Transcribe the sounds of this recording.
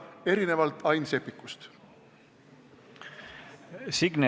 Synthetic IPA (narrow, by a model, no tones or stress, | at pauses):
e̞ɾine̞vɑlt̪ɑjnse̞pːˑikːust̪ | siɡ̥ne